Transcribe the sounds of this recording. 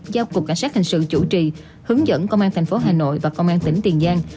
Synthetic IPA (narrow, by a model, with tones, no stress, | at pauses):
zaː˧wkʊ˨˩k͡p̚kːa˧jŋ̟saː˦˥t̚hi˨˩ŋ̟sɨ̰˧˨t͡ɕu˧˩t͡ɕi˨˩ | hɨ˨˦əŋzə̰˧˥nkə˧wŋ͡mʔaː˧nt̪ʰŋ̟fo˨˦ɦaː˨˩no̰˧˨jvaː˨˩kə˧wʔaː˧nt̪ï˧˩˦ŋ̟t̪i˨˩ənzaː˧n